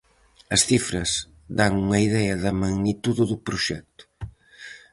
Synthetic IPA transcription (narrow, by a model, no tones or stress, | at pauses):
ɐsθifɾɐz | d̪aŋuŋɐiðɛɐðɐmɐɣnit̪uðɪðupɾuʃɛk̚t̪ʊ̥